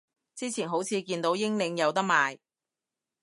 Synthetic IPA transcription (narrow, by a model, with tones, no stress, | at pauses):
t͡siː˥t͡sʰiː˨˩nɦo˨˥wt͡sʰiː˨˧kiː˧nt̪o˨˥wjɪ˥ŋlɪ˨˧ŋjɐ˨˧wt̪ɐ˥k̚maː˨j